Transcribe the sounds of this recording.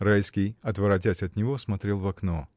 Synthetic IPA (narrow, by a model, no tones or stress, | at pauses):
ɾajskʲɪjɐt̪vɐɾɐt̬ʲæsʲɐt̪nʲɪvosmɐt̪ɾʲe̞lˠvɐkno